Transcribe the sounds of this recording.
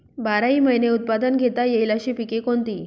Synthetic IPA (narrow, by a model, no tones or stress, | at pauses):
baɾaɦiːməjneut̪̚pad̪ənɡʱet̪ajeilaɕiːpikekont̪iː